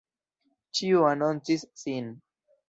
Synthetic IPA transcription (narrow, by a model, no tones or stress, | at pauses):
t͡ʃiuanont͡sisːin